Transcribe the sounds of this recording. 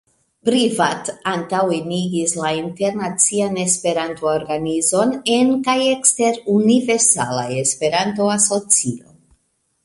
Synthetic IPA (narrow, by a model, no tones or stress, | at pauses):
pɾivatantaweniɡislainte̞ɾnat͡siane̞spe̞ɾantooɾɡanizo̞nenkajeksteɾunive̞ɾsa̰la̰jespe̞ɾanto̞aso̞t͡sio̰